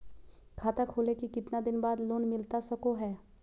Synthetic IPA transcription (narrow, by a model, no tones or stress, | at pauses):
kʰaːt̪akʰoːlekikɪt̪nad̪ɪnbaːd̪loːnmɪlt̪asɐkoɦɛː